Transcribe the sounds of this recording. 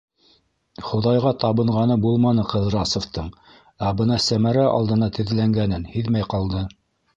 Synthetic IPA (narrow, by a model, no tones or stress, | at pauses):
χŏðɑjʁɑt̪ɑβɤ̆ɴʁɑnɤbulˠmɑnɤqɤðɾɑsŏft̪ɤɴ | æbɤnɑsæmæɾæʔɑ̰lˠd̪ɤ̆nɑt̪ɘ̆ðlæŋɡænɘnhiðmæjqɑlˠd̪ɤ